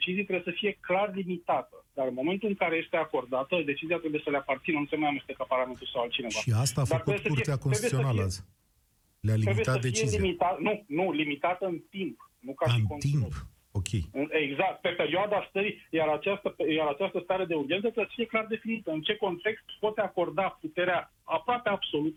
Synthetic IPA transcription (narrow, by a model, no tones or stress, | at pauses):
d̪et͡ʃizijat̪ɾebjesəfije̞klarlimit̪at̪əd̪aɾɨnmo̞me̞nt̪ulɨŋkaɾe̞jest̪e̞ako̞rd̪at̪əd̪e̞t͡ʃiziat̪ɾebuje̞səleapart̪sinənusemanamest̪ekaparlame̞nt̪ulsawalt̪t͡ʃine̞ʃvaʃiast̪aːd̪aəɾkuebeesəuɾt̪eakoseibujesionaləa | lealiɾemibjet̪atsd̪eieizimit̪anunulimit̪at̪əɨnt̪impnukaɨʃinkonimp | o̞kʰʲejɨne̞ɡzak̚t̪̚pe̞pe̞ɾioad̪ast̪əɾijaɾat͡ʃast̪əpjaɾat͡ʃast̪əst̪aɾe̞d̪e̞uɾiet̪sət̪ɾesəfije̞klard̪e̞finit̪əɨnt͡ʃe̞ko̞nt̪e̞kst̪po̞t̪ako̞rd̪aput̪e̞ɾea | apɾoape̞ab̥so̞lut̪ə